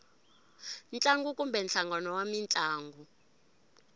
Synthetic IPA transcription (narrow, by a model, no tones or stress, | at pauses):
nt͡ɬʼaŋɡukʼumbɛnt͡ɬaŋɡanɔwamint͡ɬʼaːŋɡu